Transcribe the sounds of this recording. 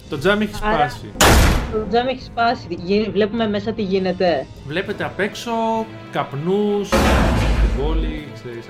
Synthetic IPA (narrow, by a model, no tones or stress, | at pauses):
t̪o̞d͡zɐmeçi̥sɐpɐsḭt̪od͡zɐmeçi̥spɐsiʝivle̞pume̞me̞sɐt̪iʝine̞t̪e̞ | vle̞pe̞t̪eɐpe̞kso̞ | kɐpnust̪ibolise